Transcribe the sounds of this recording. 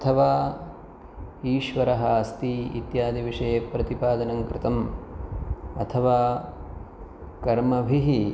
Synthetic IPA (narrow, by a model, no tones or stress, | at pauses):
ɐt̪ʰɐʋaː | iːʃʋɐɾɐɦɐst̪iḭt̪jaːd̪iʋiʂɐjepɾɐt̪ipaːd̪ɐnɐŋkɾɪt̪ɐm | ɐt̪ʰɐʋaː | kɐɾmɐbʱiɦi